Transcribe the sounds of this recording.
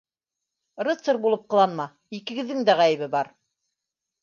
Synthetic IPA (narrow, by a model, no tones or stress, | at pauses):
rɤt̪sɤɾbulˠɤp̚qɤ̆lˠɑnmɑ | ikɘ̆ɡɘ̆ðːɘŋd̪æʁæjɘ̆βɘbɑɾ